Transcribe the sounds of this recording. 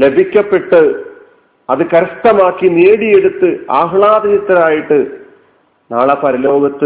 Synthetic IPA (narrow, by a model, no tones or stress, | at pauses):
le̞bʱikʲːɐpːe̞ʈːɨ | ɐðɨkɐɾɐʂt̪ɐmaːkːineːɽijeɽut̪ːɨa̰ːɦɭaːd̪ɐnɐt̪ːɐɾaːjiʈːɨ | naːɭɐpɐɾɐlo̞ːɡɐt̪ːɨ